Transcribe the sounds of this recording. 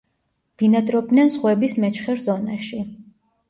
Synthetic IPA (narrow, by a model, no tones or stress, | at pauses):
b̥inat̪ʼɾɔb̚d̪nɛnsχwɛbismɛt͡ʃχɛɾzɔnaʃi